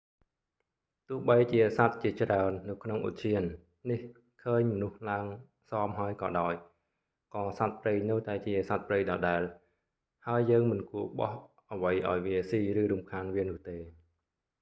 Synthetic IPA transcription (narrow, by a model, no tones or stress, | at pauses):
t̪ʊ̆əhɓəjt͡ɕiəsat̪̚t͡ɕiət͡ɕraənːɨwkʰnoŋʔṵt̪̚t͡ɕʰiənː | ih | kʰəːɲmənuhlaəŋ | sɑːmɦaəjkɑ̰ːɗaɔj | kɑːsat̪̚prəjnəwt̪aɛt͡ɕiəsat̪̚prəjɗɑːɗaɛl | haəjːəːŋmɨnkuəɓɑ̰h | ʔəʋəjʔa̰ɔjʋiəsiːrɨːɾumkʰaːnʋiənʊ̆əht̪eː